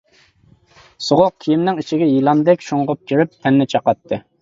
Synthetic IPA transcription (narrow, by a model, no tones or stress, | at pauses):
soʁoq̚kʲʰijimnɪŋiʃɪɡʲɛjilˠɑnd̪ɛkʲʃuɴʁʊp̚kʲʰiɾyp̚t̪ʰɛnːɪt͡ʃʰɑqɑt̪ʰːɨ